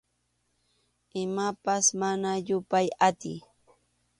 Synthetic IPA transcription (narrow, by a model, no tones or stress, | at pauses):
ɪmapasmanaʎʊpajat̪ɪ̰j